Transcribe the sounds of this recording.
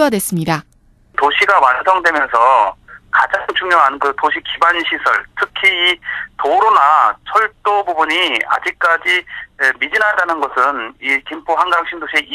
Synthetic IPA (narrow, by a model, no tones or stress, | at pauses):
adwe̞s͈ɯmɲida | toɕʰiɡawansʰʌŋdwe̞mjʌnsʰʌkad͡ʑaŋt͡ɕʰuŋɲoɦankɯtoɕʰikibanɕʰisʰʌ̰ɭtʰɯkʰiːtoɾonat͡ɕʰʌɭt͈obubuɲia̰d͡ʑik̚k͈ad͡ʑiemid͡ʑinɦadanɯnɡʌsʰɯnikimpʰoɦaŋɡaŋɕʰindoɕʰiei